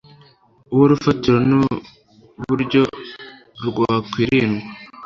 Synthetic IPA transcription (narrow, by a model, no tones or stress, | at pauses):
woɾufatiɾonu | βuɾɟo | ɾuɡoakwiɾinu